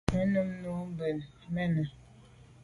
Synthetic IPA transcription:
ə˨˦nə˦mnu˨˦m˦bə˨l | mɛ˦˨nə˨

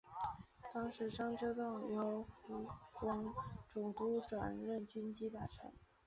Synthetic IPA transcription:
t̪ɑ˥ŋʂɻ̩˧˥ʂɑ˥ŋʈ͡ʂɤ˥t̪ɑ˥˩ŋjo˧˥ʊfu˧˥kwɑ˧˥ŋʈ͡ʂʊ˨˩ŋt̪u˥ʈ͡ʂwa̰˨˩nɻə˥˩nt͡ɕy˥nt͡ɕi˥t̪a˥˩ʈ͡ʂʰə̰˧˥˦n

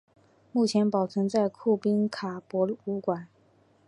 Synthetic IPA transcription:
mu˥˩t͡ɕʰjɛ˧˥npɑ˨˩ʊʈ͡ʂʰɤ˧˥ŋt͡sa˥˩ɪkʰu˥˩pi˥nkʰa˨˩pwɔ˧˥u˧˥kwa˨˩˦n

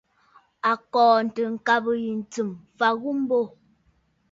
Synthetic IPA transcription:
a˨kɔː˨n̩˨tə˨ŋ̩˨ka˦bə˨ji˨n̩˨t͡sɨ˨mfa˨ɣu˦m˦bo˦˨

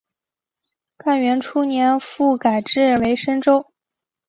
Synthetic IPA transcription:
ka˥˩nɥɛ˧˥nʈ͡ʂʰu˥njɛ˧˥nfu˥˩ka˨˩ɪʈ͡ʂɻ̩˥˩we˧˥ɪʂə˥ŋʈ͡ʂo˥ʊ

